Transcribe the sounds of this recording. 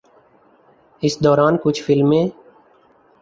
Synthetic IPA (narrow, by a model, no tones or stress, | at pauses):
ɪsd̪ɔːɾaːnkʊt͡ʃʰfʰɪlmẽː